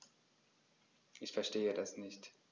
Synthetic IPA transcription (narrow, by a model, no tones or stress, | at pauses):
ʔɪçfɛɐʃteːədasnɪçt